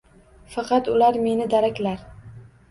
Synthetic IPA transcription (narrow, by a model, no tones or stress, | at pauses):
fɑqʰɑt̪ʊlaɾme̞nɪd̪aɾakʲlaɾ